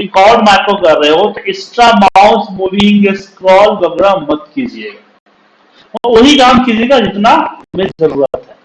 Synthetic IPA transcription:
ɾɪkɔːɾɖmɛːkɾokɐɾːəɦeɦot̪oɪsʈɾamaʊsmuːʋɪ̃ŋɡeskɾɔːlbɐɡɾamɐt̪kiːd͡ʒieːɡa | ɔʋɐɦikaːmkiːd͡ʒeːɡad͡ʒɪt̪namɪzɐɾuːɾə̰t̪ɦɛː

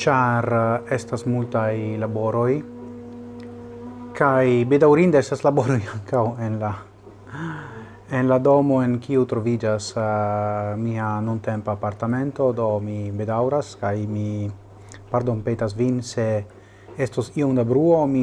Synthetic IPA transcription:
t͡ʃaɾestasmultajlabo̞ɾo̞j | kajbe̞dawɾind̪eestaslabo̞ɾo̞jaŋkawenla | enlado̞mo̞e̞nkiut̪ɾo̞vid͡ʒas | mianunte̞mpaːpaɾt̪ame̞nt̪o̞d̪o̞mibed̪awɾaskajmi | paɾd̪o̞npetas̬vinse | estosiomd̪abɾuo̞mi

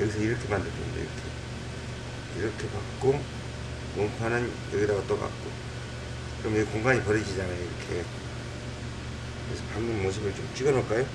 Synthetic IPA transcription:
jʌɡisʰʌiɾʌkʰe̞mandɯɭkɯ̰nda̰ḭɾʌkʰḛ | iɾʌkʰe̞pak̚k͈o | mʌmpʰanɯnjʌɡiɾaɡat͈ʌk͈a̰k̚k͈o | kɯɾʌmkoŋɡaŋipʌɾid͡ʑid͡ʑaŋejoiɾʌkʰe̞ | kɯesʰʌpʰaŋɯnmos̬ʰɯmɯɭt͡ɕomt͡ɕ͈iɡʌnʌk͈ajo

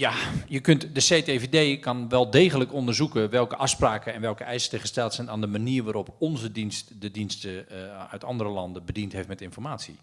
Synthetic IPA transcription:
jajəkøntdəseːtevedeːkɑnʋɛlˠdeːɣələkɔndərzukəʋɛlˠkəʔɑfspraːkəɛnʋɛlˠkəɛjstəχəstɛlˠtsɛnaːndəmaniːrʋaːɾɔpɔnzədinstdədinstəœ̰ɥtʰɑ̰ndərəlɑndəbədintɦeftmɛtɪnfɔrmaːtsḭ

